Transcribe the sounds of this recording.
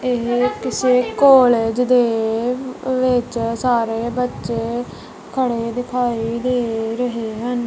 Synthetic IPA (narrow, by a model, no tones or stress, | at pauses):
ekɪseːkoːleːd͡ʒd̪eː | ʋɪt͡ʃsaːɾeːbətːʃeː | kʰəɽeːd̪ɪkʰaːiːd̪eːɾəɦeːɦən